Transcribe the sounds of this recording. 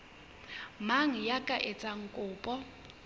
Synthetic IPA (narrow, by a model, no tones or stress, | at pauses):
maŋ̩jakʼaʔet͡sʼaŋ̩kʼʊːpʼɔ